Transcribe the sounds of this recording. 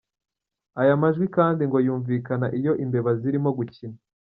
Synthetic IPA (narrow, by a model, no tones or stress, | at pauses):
ajamaʒɡwikaːndiŋɡo̞juːɱvikanaʔijo̞ʔimbe̞βaziɾimo̞ɡucina